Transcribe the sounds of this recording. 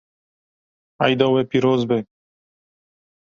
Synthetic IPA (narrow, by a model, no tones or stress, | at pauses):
ajd̪ɔwɛpiɾozbɛ